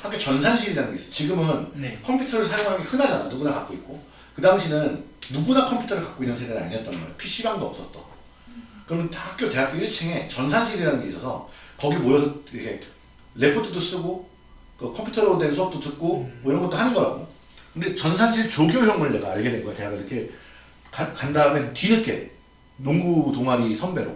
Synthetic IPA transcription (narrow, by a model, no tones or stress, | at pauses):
hakjet͡ɕʌnsʰanɕʰiɾiɾanɯnɡe̞isʌsʰt͡ɕiɡɯmɯnkʰʌmpʰutʰʌɾɯɭsʰaɾjoŋɦaɡehɯnad͡ʑana̰jo̰nuɡunakak͈̚oik̚k͈o | kɯdaŋɕʰinɯnːuɡunakʰʌmpʰu̥tʰʌɾɯɭkak͈oinːɯnsʰedenɯaɲiʌt͈ʌnɡʌḛjo̰pʰiɕ͈iɡaŋdoʌp̚s͈ʌt̚t͈ʌ̰ | kɯɾʌmenhak͈jote̞ɦak̚k͈oiɭt͡ɕʰeŋe̞t͡ɕʌnsʰanɕʰiɾiɾanɯnŋɡe̞is͈ʌsʰʌ̰kʌɡimojʌsʰʌiɾʌkʰe̞ | le̞pʰotʰɯdos͈ɯɡo | kɯkʰʌmpʰutʰʌɾodwe̞nsʰuʌk̚t͈otɯk̚k͈omʌiɾʌnɡʌt͈ohanɯnɡʌɾa̰k͈o | kɯnde̞t͡ɕʌnsʰand͡ʑʰiɾt͡ɕoɡjojʌŋmuɭːeɡaːɭɡenenɡʌɡate̞ɦaɡɯiɾʌkʰe̞ | kakandamentinɯk͈ḛ | noŋɡutoŋɦaɾisʰʌmbe̞ɾo̰